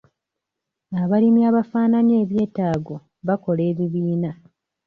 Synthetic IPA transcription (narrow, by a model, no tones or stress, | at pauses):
aβalimiaβafaːnanie̞ːβje̞ːtaːɡo̞ | βako̞le̞ːβiβiːna